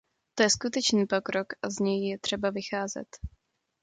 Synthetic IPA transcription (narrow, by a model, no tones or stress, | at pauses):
t̪o̞jɛskut̪ɛt͡ʃniːpo̞kɾo̞kʔazɲɛjjɛt̪r̝̥ɛbavɪxaːzɛ̰t̪